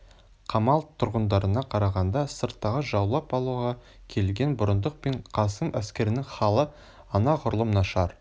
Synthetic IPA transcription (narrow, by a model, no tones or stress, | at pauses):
qʰɑmɑlˠt̪ʰʊɾʁənd̪ɑɾənɑqʰɑɾɑʁɑnd̪ɑsəɾt̪ːɑʁəʒɑwlˠɑpɑlˠuʁɑ | kʲʰe̞lɡʲe̞nbʊɾənd̪əq̚pe̞ɴqʰɑsəmʔæskʲe̞ɾɪnɪŋχɑlˠə | ɑnɑqʰʊɾəlˠəmnɑʃɑɾ